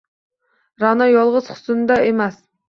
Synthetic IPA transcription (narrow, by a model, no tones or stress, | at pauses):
ɾɑnɑjolˠʁəz̥χʊ̥sɨnd̪ɑemɛs